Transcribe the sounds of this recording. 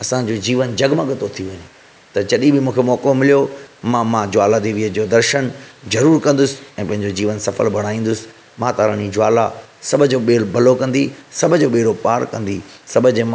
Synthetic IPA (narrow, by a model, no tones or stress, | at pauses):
ɐsãd͡ʑoːd͡ʑiːʋənd͡ʑɐɡmə̃ɠət̪ot̪ʰiʋɐɲe | t̪ɐd͡ʑɐɗĩbɪmũːkʰemɔːkomɪlijomãːmãd͡ʑʊaːlad̪iʋiəd͡ʑoːd̪ɐɾʃənzɐɾuːɾkɐ̃nd̪ʊsɪ̥ɛ̃ːpɐ̃ɦɪ̃ɲd͡ʑod͡ʑiːʋənsɐfə̰lbʱɐɽ̃aːĩːn̆d̪ʊsɪ̥ | mãːt̪aːɾənid͡ʑʊaːlasɐbʱəd͡ʑoɓeːɽbɐlokɐ̃nd̪isɐbʱəd͡ʑoːɓeːɾopaːɾkɐ̃nd̪isɐbʱəd͡ʑ